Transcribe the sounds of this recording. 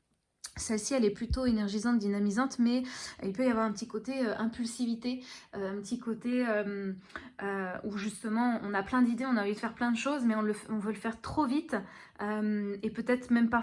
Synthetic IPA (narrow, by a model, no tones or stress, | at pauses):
sɛlsiɛlɛplyt̪oenɛʁʒizɑ̃t̪̚d̪inamizɑ̃t̪mɛilpøjavwaʁɛ̃pət̪ikot̪eøʔɛ̃pylsivit̪eøɛ̃pət̪ikot̪eøm | øuʒyst̪əmɑ̃ʔɔ̃naplɛ̃d̪id̪eɔ̃navid̪əfɛʁplɛ̃d̪əʃozmɛɔ̃ləfɔ̃vøləfɛʁt̪χovit̪ømepøt̪ɛt̪χmɛmpa